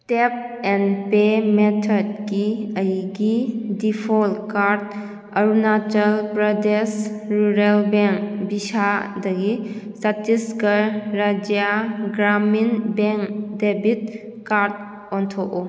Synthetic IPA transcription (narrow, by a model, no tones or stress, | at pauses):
tep̚ɛnpemetʰɔd̚ɡiəjɡidipʰɔlkaɾt | ɐɾunatəlpɾədesɾuɾelbeŋkbisadɐɡisatiskəɾad͡ʒjaɡɾaminbeŋdebit̚ | kaɾt̚ | ɔntʰɔʔɔ